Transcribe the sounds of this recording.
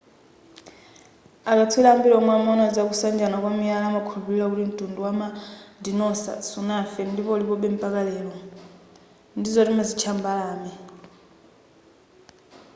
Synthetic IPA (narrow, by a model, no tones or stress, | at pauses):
akat͡sʰwilaːmbilɔmwamɔnad͡zakusand͡ʒanakwamialamakʰulupililakutim̩tʼunduwamadinɔsa̰sunafɛndipɔlikɔɓɛm̩pʼakalɛːlɔ | ndizɔtimazit͡ʃʰambalaːmi